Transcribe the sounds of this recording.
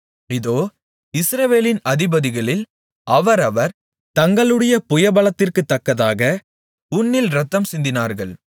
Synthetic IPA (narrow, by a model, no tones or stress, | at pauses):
ɪðoː | ɪsɾɐʋeːlɪnɐðɪbɐðɪɣɐɭɪl | ʔɐʋɐɾɐʋɐɾ | t̪ɐŋɡɐɭɯɽɐjɐpʊjɐbɐɭɐt̪ːɪrkɯt̪ːɐkːɐðaːɣɐ | ʊnːɪlɾɐt̪ːɐmsɪnd̪ɪnaːɾɣɐɭ